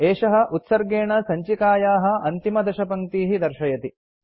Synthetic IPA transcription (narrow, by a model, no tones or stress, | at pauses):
eːʂɐɦɐ̆ʔut̪sɐɾɡeːɳɐsɐɲt͡ʃikaːjaːɦɐ̆ɐnt̪imɐd̪ɐʃɐpɐŋt̪iːɦid̪ɐɾʃɐjɐt̪i